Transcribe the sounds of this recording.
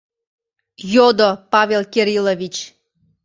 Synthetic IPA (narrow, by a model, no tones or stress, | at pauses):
jod̪opɑvʲelkʲeɾʲilovʲit͡ɕ